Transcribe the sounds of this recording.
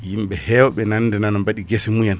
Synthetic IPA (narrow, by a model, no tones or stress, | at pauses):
jimɓɛhɛwɔɓɛnanːdɛnanɔmbaɗiɡesimujan